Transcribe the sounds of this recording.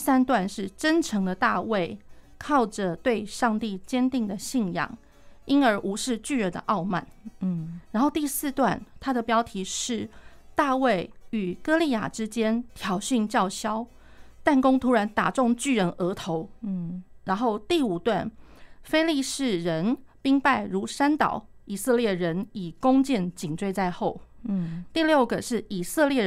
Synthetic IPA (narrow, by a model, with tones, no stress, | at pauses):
sa˥nt̪wa˥˧nʂɻ̩˥˩ʈ͡ʂə˦˥nʈ͡ʂʰɤ˧˥ŋd̪ə˧t̪a˥˧we˥˩ɪ | kʰɑ˥˩ʊʈ͡ʂə˩t̪we˥˧ɪʂɑ˥˧ŋt̪i˥˩t͡ɕjɛ˥nt̪i˥˩ŋd̪ə˩ɕi˥˩njɑ̰˨˩ŋ | i˥nə˞˧˥ʔu˧˥ʂɻ̩˥˧t͡ɕy˥˩ɻə˧˥nd̪ə̰˧ʔɑ˥˧ʊma̰˥˩n | ɻa˧˥nxo˥˧ʊt̪i˥˧sɹ̩˥˧t̪wa˥˩nt̪ʰa˥d̪ə˨pjɑ˥ʊt̪ʰi˧˥ʂɻ̩˥˩ | t̪a˥˧we˥˩ɪy˨˩kɤ˥li˥˩ja̰˨˩ʈ͡ʂɻ̩˥t͡ɕjɛ˥nt̪ʰjɑ˧˥ʊɕy˥˧nt͡ɕjɑ˥˩ʊɕjɑ˥ʊ | t̪a˥˩nkʊ˥ŋt̪ʰu˧˥ɻa˧˥nt̪a̰˨˩ʈ͡ʂʊ˥˧ŋt͡ɕy˥˩ɻə˧˥nʔə˧˥t̪ʰo˧˦ʊ | ɻa˧˥nxo˥˧ʊt̪i˥˩u˨˩t̪wa˥˩n | fe˥ɪli˥˧ʂɻ̩˥˩ɻə˧˦˥npi˥ŋpa˥˩ɪɻu˧˥ʂa˥nt̪ɑ̰˨˩˦ʊ | i˨˩sɤ˥˧ljɛ˥˩ɻə˧˥ni˨˩kʊ˥ŋt͡ɕjɛ˥˩nt͡ɕi˨˩nʈ͡ʂwe˥˧ɪt͡sa˥˧ɪxo˥˩ʊt̪i˥˧ljo˥˩ʊɡə˩ʂɻ̩˥˩i˨˩sɤ˥˧ljɛ˥˩